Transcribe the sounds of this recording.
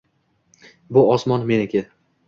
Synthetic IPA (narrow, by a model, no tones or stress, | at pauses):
bʊɒsmɒnme̞nɪkʲea